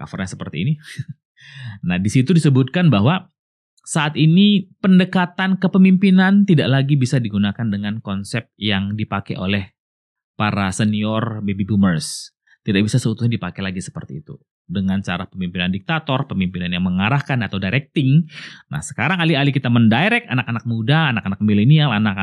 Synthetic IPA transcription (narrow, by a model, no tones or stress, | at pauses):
ka̰fɔ̰rɲasəpərt̪iːni | nahdisit̪udisəbut̪̚kanbaɦwa | saʔat̪inipəndəkat̪ankəpəmimpinant̪idaʔlaɡibisadiɡunakandəŋankɔnsɛp̚jaŋdipakɛ̰ʔo̰lɛh | paɾasəniɔrbebibumərs | t̪idaʔbisasəut̪usɲadipakɛlaɡisə̥pə̰rt̪iːt̪ṵ | dəŋant͡ʃa̰ɾapəmimpinandik̚t̪at̪ɔrpəmimpinanjaŋməŋaɾahkanat̪awdajɾɛk̚t̪ɪŋna̰hsə̥kaɾaŋalialikit̪aməndajɾɛkanakanak̚mudaːnakanak̚milenialanak